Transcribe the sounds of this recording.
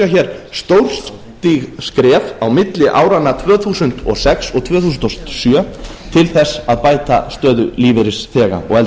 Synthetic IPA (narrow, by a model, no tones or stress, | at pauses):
açɛːɾ̥st̪owɾ̥st̪ | t̪iɣskɾɛːfawmɪt̪lɪʔa̰ːwɾanːat̪ʰvœːθuːsʏnt̪ɔ̰sɛksɔɣt̪ʰvœːθuːsʏnt̪ɔst̪sjœːt̪ʰɪlθɛsːaðpaːjt̪a̰st̪œːðʏliːvɪɾɪsθɛːɣa̰ɔ̰ɣɛl